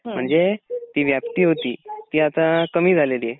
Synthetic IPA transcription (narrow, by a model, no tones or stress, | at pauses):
m̤əɳd͡zet̪iːʋjap̚t̪iːɦot̪ḭːt̪iːat̪ãkəmiːd͡zʱalelie